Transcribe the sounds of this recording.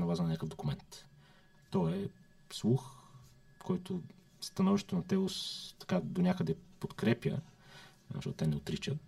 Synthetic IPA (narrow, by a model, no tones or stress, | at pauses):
nɐvˠazɐnɐnʲakəfd̪okumɛnt̪ | t̪ːɔɛ | slˠux | kʰɔjt̪o | st̪ɐnɔviʃt̪ɛt̪ʊnɐt̪ɛost̪ɐ̥kad̪onʲakəd̪ɛpot̪kɾɛpʲjə̰ | ɐ̰ʃɔt̪t̪ɛnɛot̪ɾit͡ʃət̪